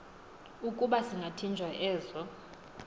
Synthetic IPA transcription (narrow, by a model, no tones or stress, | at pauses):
ukʼuɓasiŋɡʱatʰind͡ʒʱwaʔɛːzɔ